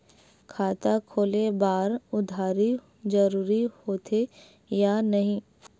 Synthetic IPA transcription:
kʰaːt̪akʰoːlebaːɾʊd̪ʱaːɾi | d͡ʒəɾuːɾihoːt̪ʰe | janɐɦĩː

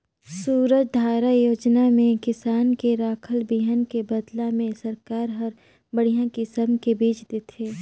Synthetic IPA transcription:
suːɾət͡ʃ̚d̪ʱaːɾajoːd͡ʒnamẽkɪsaːnkeɾaːkʰəlbiɦənkebəd̪lamẽsɐɾkaːɾɦɐɾ | bəɽ̤ijãkisəmkebiːd͡ʒd̪et̪ʰeː

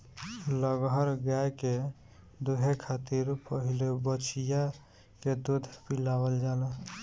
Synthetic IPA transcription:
ləɡɦəɾɡjajke | d̪uɦekʰat̪iɾpəɦilobət͡ʃʰija | ked̪ud̪ʱpilabəld͡ʒal

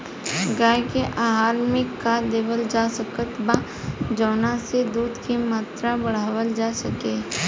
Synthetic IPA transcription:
ɡaːjkeʔaːɦaːlmẽkaːd̪eːʋəld͡ʒaːsəkət̪ba | d͡ʒɔːnased̪uːd̪kimaːt̪ɾabɐɽ̤aːwəld͡ʒaːsɐkeː

